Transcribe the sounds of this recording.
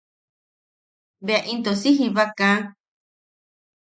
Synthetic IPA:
βeaʔĩnt̪osiɦiβakã

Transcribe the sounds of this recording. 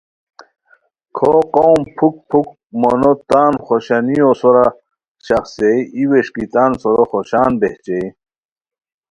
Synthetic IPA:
kʰoqowmpʰuk̚pʰuk | monot̪aːnχoɕanijosoɾa | ɕɐxsejiweʂkit̪aːnsoɾoxoɕaːnbeht͡ɕej

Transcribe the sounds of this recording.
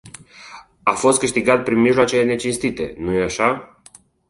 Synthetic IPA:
afo̞st̪̚kɨʃt̪iɡat̪̚pɾinmiʒloat͡ʃele̞ne̞t͡ʃinst̪it̪e̞̰nujeaʃa

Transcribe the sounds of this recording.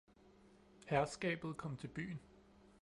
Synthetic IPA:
hæɐsɡ̥ɛ̰ːb̥ð̩ˠkʰɒ̽m̰t͡sʰe̝lb̥y̰ːn

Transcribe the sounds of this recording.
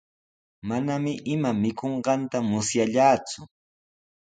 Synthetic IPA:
manamɪʔɪmamɪkoɴɢɑnt̪amʊsjaʎaːt͡sʊ

